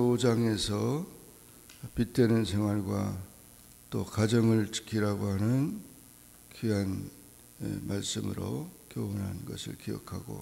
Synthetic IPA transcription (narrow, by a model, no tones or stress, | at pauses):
od͡ʑaŋe̞sʰʌ | pit͈enɯnsʰeŋwaɭɡwa | t͈okad͡ʑʌŋɯɭt͡ɕɯ̥kʰiɾaɡoɦanɯn | kiɦan | ḛmaɭs͈ɯmɯɾo̰kjoonɦa̰nnɡʌsʰɯ̰ɭkijʌ̰kʰaɡo̰